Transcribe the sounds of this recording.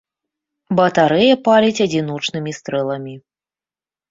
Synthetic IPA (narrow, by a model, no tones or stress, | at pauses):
bɐt̪aɾɛjɐpalʲit͡sʲɐd͡zʲinɔt͡ʂnɨmʲist̪ɾɛlˠɐmʲi